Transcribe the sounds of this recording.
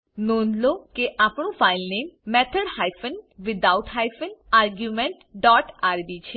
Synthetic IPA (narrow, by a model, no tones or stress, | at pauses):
nonlokeʔapɳũfailnemːɛt̪ʰəɽhajfənʋɪd̪awt̪ɦajfənaɾɡjumeɳʈɖɔʈaɾbit͡ʃʰe